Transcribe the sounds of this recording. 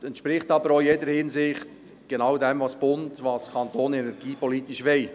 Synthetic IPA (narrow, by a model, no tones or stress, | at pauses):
ɛnt̪ʃpɾɪχtɑbəɾojedəɾhɪnsɪχt | ɡ̥enɑwdɛmvɑsb̥ʊntvɑskʰɑnt̪oːnɛnɛɾɡiːpɔliːtiʃʋɛɪ